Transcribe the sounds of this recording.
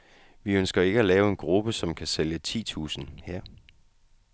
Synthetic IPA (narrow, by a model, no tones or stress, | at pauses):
ʋiønsɡ̥ɐe̝ɡ̥əælɛːʊe̝nɡ̥ʁub̥əsɒ̽mkʰæseljət͡sʰḭːt͡sʰṵːsn̩heɐ̰